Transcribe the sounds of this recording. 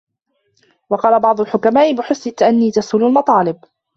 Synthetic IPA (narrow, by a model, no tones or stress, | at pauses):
wɑqɑːlabɑʕd̪ˤʊlħʊkamaːʔɪbɪħʊsnɪt̪ːaʔanːiːt̪asʊlalmɑt̪ˤɑːlɪb